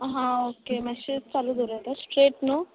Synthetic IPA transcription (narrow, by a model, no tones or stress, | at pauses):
ɦãoːkeːmɛ̃ʃit͡saːlud̪uɾɛ̃ːnd̪aspɾeːʈnũː